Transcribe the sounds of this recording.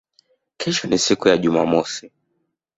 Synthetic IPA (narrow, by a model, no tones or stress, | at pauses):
kʰɛʃɔnisikujaʄumamɔsi